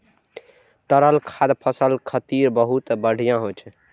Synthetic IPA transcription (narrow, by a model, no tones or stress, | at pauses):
t̪əɾəlkʰad̪pʰəsəlkʰət̪iɾbəɦut̪bəɽ̤ijãɦot͡ʃʰɛ